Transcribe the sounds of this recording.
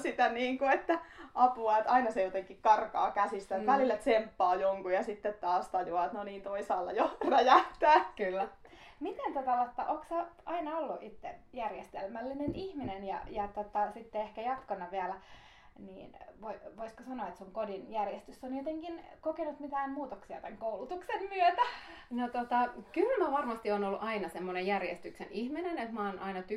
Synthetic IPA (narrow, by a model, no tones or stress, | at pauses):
sit̪æniːŋkuet̪ːæʔɑpuɑet̪ɑinɑsejot̪eŋkikkɑrkɑːkæsist̪æt̪ʋælilːæt̪sempːɑːjoŋkujɑsit̪ːet̪t̪ɑːst̪ɑjuɑt̪noniːnt̪oisɑːlːɑ̰joræjæht̪æːklːæ | mit̪ent̪ot̪ɑʋot̪ːɑʔoːksɑɑinɑolːuʔit̪ːejærjest̪elmælːinenihminenjɑ̰jɑt̪ot̪ːɑsit̪ːeehkæjɑt̪konːɑʋiælæ | nḭːnʋoiʋoiskosɑnoɑet̪suŋkodinjærjest̪ysːonjot̪eŋkinkokenut̪mit̪æːmmuːt̪oksiɑ̰t̪æŋkoulut̪uksemmyøt̪ænot̪ot̪ɑkylmæʋɑrmɑst̪ionolːuʔɑinɑsemːonejærjḛst̪yksḛnihminenet̪mɑːnʔɑinɑt̪y